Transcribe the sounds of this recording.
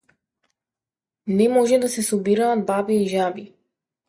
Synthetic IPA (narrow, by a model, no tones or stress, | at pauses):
nɛmoʒɛd̪asɛsubiɾaːd̪̚babiːʒabi